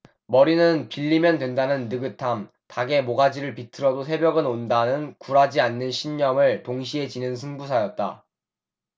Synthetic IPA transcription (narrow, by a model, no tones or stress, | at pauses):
mʌɾinɯnpiʎːimjʌndwe̞ndanɯnːɯɡɯtʰam | taɡe̞moɡad͡ʑiɾɯɭpitʰɯɾʌdosʰe̞bjʌɡɯnondanɯnkuɾad͡ʑianːɯnɕʰiɲːʌmɯɭtoŋɕ̬ʰiɦe̞d͡ʑinɯnsʰɯŋbus̬ʰajʌt̚t͈a̰